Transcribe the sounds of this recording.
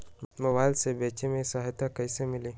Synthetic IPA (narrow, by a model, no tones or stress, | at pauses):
məwalsebet͡ʃemesaɦetakaisəmili